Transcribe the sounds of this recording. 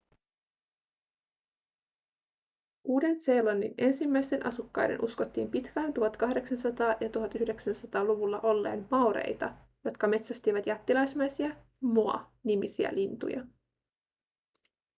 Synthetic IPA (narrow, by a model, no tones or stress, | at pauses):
ʔuːde̞nse̞ːlɑnːḭne̞nsimːæjst̪enʔɑ̰sukːɑjde̞̰nʔusko̞t̪ːḭːmpit̪kæːnt̪uɦɑt̪kɑɦde̞ksɑnsɑt̪ɑːjɑt̪uɦɑt̪ːyhde̞ksænsɑt̪ɑːluʋulːɑʔo̞lːe̞̰ːnmɑwɾe̞̰jt̪ɑ | jo̞t̪kɑme̞t̪sæst̪iʋæt̪jæt̪ːilɑjsmæjsiɑ | muɑ̰ | nimisiæ̰lint̪ṵjɑ̰